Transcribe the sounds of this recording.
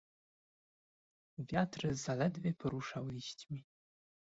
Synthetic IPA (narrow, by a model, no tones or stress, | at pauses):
vʲjatʰrɨzalɛd̪vʲepʰɨɾuʂawiɕtʲmʲi